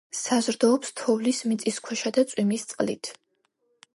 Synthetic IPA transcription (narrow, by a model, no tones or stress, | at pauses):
sazɾd̪ɔːpst̪ʰɔvlismit̪sʼiskʰwɛʃad̪at̪sʼwimist̪sʼqʼlḭt̪ʰ